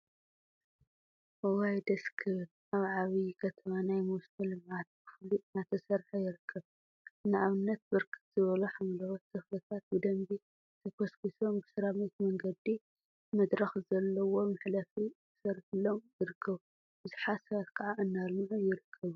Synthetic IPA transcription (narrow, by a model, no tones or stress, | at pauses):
ʔowajd̪ɐskʰɨl | aβʕaβikʰɐt̪ʰɐmanajmust̪ɐlɨmʕat̪̚bɨfɨliʔnat̪ʰɐsɐɾħajɪɾɨkʰːɐβ | naʔaβɨnːɐt̪̚bɨɾkʰɨ̥t̪z̥ɨβɐluħamlɐwɐt̪k̪ːʰɐflɐt̪ʰat̪̚bɨd̪ɐmbi | t̪ʰɐkʰoskisombɨsɨɾamɐt̪mɐŋɡɐd̪i | mɐd̪ɾɐxzɐlːɐwomɨħlɐfibɨsɐɾħɨlːomjɪɾɨkʰːɐβu | bɨzɨħasɐɾkʰaʕaʔɨnːalmɨʕujɪɾɨkʰːɐβu